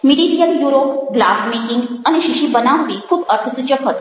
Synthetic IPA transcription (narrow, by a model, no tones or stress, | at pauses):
miɽiɾijəljuɾopɡlafmiʈiŋɡañiɕiɕiːbənaʋʋiːkʰuːbəɾt̪ʰəsut͡ɕəkɦot̪